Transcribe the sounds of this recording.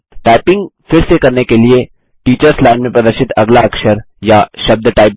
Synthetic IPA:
ʈaːɪpɪ̃ŋɡfɪɾsekɐɾnekelie | ʈiːt͡ʃəɾslaːnmẽpɾɐd̪əɾʃɪt̪ɐɡlaɐkʃəɾ | jaʃɐb̚d̪ʈaːɪp

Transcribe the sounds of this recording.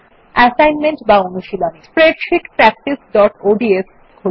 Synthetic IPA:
ɛsajnmeɳʈbaonuʃilospɾeɖʃikpɾɛk̚ʈisɖɔʈoɖies | kʰo

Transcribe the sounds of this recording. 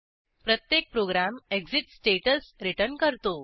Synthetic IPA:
pɾət̪jek̚pɾoɡɾameɡsiʈsʈeʈəsɾiʈəɾnkəɾt̪o

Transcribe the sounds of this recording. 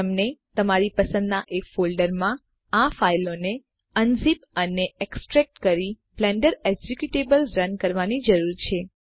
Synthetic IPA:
əmnet̪əmaɾipəsə̃nd̪naʔekfolɖəɾmã | afailone | ənd͡ʒipəneeksʈɾɛk̚ʈkəɾi | plɛɳɖəɾeɡd͡ʒukjuʈebəlɾənkəɾʋanid͡ʒəɾuɾt͡ʃʰe

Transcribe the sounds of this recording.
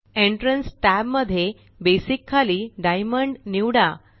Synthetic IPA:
eɳʈɾənsʈæbməd̪ʱːje | besikʰːaliːɖajməɳɖniʋɽa

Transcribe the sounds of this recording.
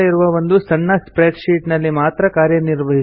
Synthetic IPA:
iɾuʋɐʋond̪usɐɳːɐspɾeːɖʃiːʈnɐlːimaːt̪ɾɐkaːɾjɐniɾʋɐɦi

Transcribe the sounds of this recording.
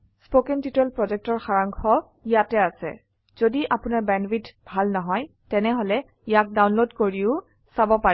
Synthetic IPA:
spokɛntitɛlpɹɔzɛk̚tɔɹxaɹaŋkʰɔ | ijatɛasɛ̰ | z̥odiʔapʊnaɹbɛnbitbʱalnɔɦɔj | tɛnɛɦolɛ | ijak̚dawnlodkoɹiʊ | sabɔpa

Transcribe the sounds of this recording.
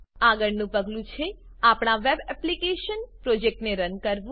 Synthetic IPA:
aɡəɽnũpəɡlũt͡ʃʰe | apɽ̃aʋebɛplikeʃənpɾod͡ʒek̚ʈneɾənkəɾʋũ

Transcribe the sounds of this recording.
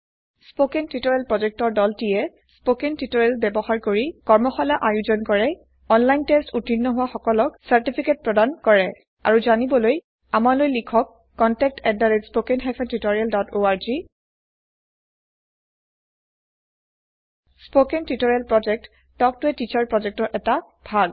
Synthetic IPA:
spokentitɔɹɛlpɹɔd͡ʒɛk̚tɔɹdɔltijɛ | spokentitɔɹɛlbɛbɔxaɹkoɹikɔɹmɔxɔlaʔajuzɔnkɔɹɛ | ɔnlajntestutinːɔɦʊwaxɔkɔlɔksaɹtipʰiket̚pɹɔdankɔɹɛ | a̰ɹuzanibɔloj | amalojlikʰɔkː | ɔntɛk̚tʰɛddaɹespokenxajpʰɛntitoɹialdɔtʰoaɹzi | spokentitoɹialpɹɔd͡ʒɛk̚t | tɔk̚tʊɛtit͡ʃaɹpɹɔd͡ʒɛk̚tɔɹʔɛta | bʱaɡ

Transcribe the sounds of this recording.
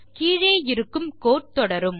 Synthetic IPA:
kiːɻeːɪɾɯkːɯmkoːʈ̚t̪ɔɽɐɾɯm

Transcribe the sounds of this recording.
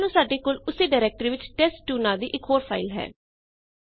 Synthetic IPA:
nũːsaːɖeːkoːlʊseːɖaːɾɛːk̚ʈɾiːʋɪt͡ʃʈɛːsʈuːnaːd̪iːʔɪkɦoːɾpʰa̰ːɪlɦɛ̰ː

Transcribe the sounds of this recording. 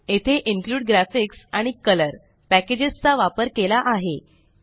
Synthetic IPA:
et̪ʰeʔiŋkluːɽ̚ɡɾæfiksaɽ̃ikələɾ | pæked͡ʑest͡saʋapəɾkelaʔaɦe

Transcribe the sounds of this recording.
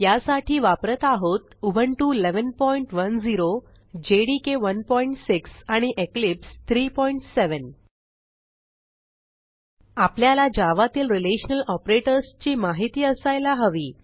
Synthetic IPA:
jasaʈʰiːʋapɾət̪aɦot̪ubʱəɳʈuːileʋənpɔiɳʈʋənd͡ziɾo | d͡ʑeɽikeʋənpɔiɳʈsiksaɽ̃iʔeklipst̪ʰɾiːpɔiɳʈseʋən | apljalad͡ʑaʋat̪iːlɾileɕənəlɔpɾeʈəɾst͡ɕiːmaɦit̪iːəsajlaɦəʋiː

